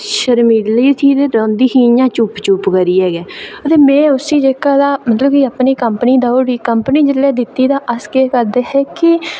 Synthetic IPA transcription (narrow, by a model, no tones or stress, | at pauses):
ʃəɾmiːliːt̪ʰiːd̪eːɾõːnd̪iːhĩːjãːt͡ʃupt͡ʃupɡəɾiːɛːɡɛːət̪eːmɛ̃ːʊsiːd͡ʒeːkaːd̪aːmət̪ləbkiəpniːkəmpəniːd̪aːoːɾiːkəmpniːd͡ʒɪlːɛːd̪ɪt̪ːiːd̪aːʔəskeːkəɾd̪eːhɛːkɪ